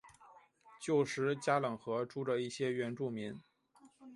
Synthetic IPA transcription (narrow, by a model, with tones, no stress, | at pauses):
t͡ɕjo˥˩ʊʂɻ̩˧˥t͡ɕja˥lɤ˨˩ŋxɤ˧˥ʈ͡ʂu˥ʈ͡ʂə˧i˥˩ɕjɛ˥ɥɛ˧˥nʈ͡ʂu˥˩mi˧˥n